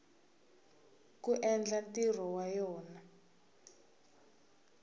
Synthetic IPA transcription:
kuʔɛnd͡ɮatir̤ɔwajɔːna

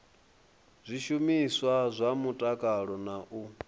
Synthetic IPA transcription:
zʷiʃumiswazʷamutʼakʼaɺɔnaʔu

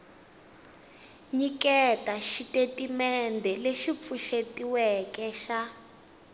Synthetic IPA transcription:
ɲikɛtaʃitetimɛndʱɛleʃip̪fuʃetiwɛkɛʃa

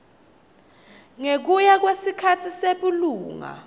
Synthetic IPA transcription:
ŋek̬ujak̬wesikʰatʰiseɓuluːŋa̰

